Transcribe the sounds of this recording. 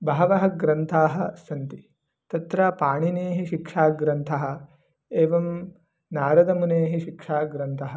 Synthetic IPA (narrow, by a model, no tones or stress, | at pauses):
bʱaːʋɐɦɐ̆ɡɾɐnt̪ʰaːɦɐ̆sɐnt̪i | t̪ɐt̪ɾaːpaːɳineːɦiʃikʂaːɡɾɐnt̪ʰɐɦɐ̆ | eːʋɐm | naːɾɐd̪ɐmuneːɦiʃikʂaːɡɾɐnt̪ʰɐɦɐ̆